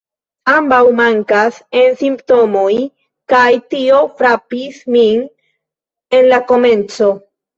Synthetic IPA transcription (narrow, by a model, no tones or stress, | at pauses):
ambawmaŋkasensimpto̞moj | kajtio̞fɾapismin | e̞nlako̞mẽ̞nt͡so̞